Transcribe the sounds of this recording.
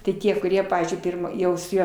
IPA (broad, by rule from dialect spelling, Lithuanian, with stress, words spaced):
tʲɪ ˈtʲiɛ kʊˈrʲiɛ ˈpɑːʋʲiːzʲd͡ʒʲʊɪ ˈpʲɪrmɑː ˈjɛʊ sʊ ˈjuɔ